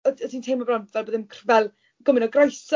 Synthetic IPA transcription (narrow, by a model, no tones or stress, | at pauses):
əədʰiːntʰejmɔbranpvɛlboːðɪmkʰrvɛlˠ | ɡ̥ʊmɪnɔɡrajs